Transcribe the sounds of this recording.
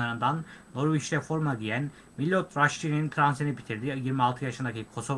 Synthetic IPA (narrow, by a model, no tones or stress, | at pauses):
aɾɯnd̪anː | o̞ɾviʃɾɛfo̞ɾmaɟijæn | milʲːot̪ɾaʃinint̪ʰɾansinibit̪ʰiɾd̪ijiɾmialˠt̪ʰɯjaʃɯnd̪acikʰo̞so̞